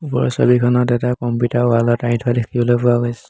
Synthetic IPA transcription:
upɔ̰ɹɔ̰sa̰bikʰɔnɔtɛtakɔmputaɹalɔtaj̃ntʰɔadekʰibɔlojpɔaɡɔjsɛ̥

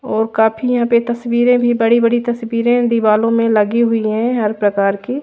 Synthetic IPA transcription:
ɔːɾkaːpʰijɐɦãpet̪ɐswiːɾẽbʱibɐɽibɐɽit̪ɐswiːɾẽd̪iʋaːlõmẽlɐɡiɦʊiɦɛ̃ɦɐɾpɾɐkaːɾkiː

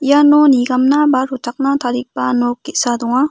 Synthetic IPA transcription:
janoniɡamnabaɾotʰak̚nat̪ʰaɾik̚panokːisad̪uŋa

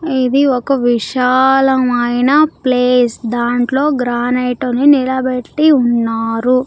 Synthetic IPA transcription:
id̪iɔkɐʋiʂaːlɐmɐjnɐpleːsd̪aːɳʈlo̞ːɡɾaːnejʈoninilɐbeʈːiunːaːɾu

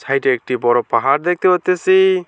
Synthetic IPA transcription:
sʰajtek̚ʈibɔɾɔpaɦaɾd̪ɛk̚t̪eɔt̪ːesi

